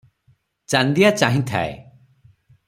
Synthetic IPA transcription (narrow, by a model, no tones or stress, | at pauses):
t͡ʃand̪ijat͡ʃaɦĩt̪ʰa̰e